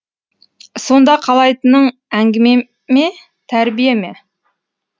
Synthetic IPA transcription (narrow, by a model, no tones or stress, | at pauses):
so̞nd̪ɑqʰɑlˠɑjt̪ənəɴæŋɡʲɪme̞ | me | t̪ʰæɾbijeme̞